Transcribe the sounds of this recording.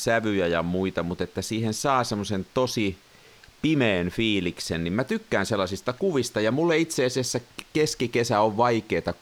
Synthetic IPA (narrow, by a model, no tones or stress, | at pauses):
sæʋyjæjɑmuit̪ɑmut̪et̪ːæsiːhensɑːsemːosent̪osi | pimeːnfiːliksennimmæt̪ykːæːnselːɑsist̪ɑkuʋist̪ɑjɑmulːeit̪seɑsiæsːækeskikesæoʋʋɑikeːt̪ɑ